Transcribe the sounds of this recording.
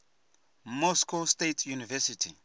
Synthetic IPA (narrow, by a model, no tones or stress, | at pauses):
mɔskostetʰjunivɛsitʰi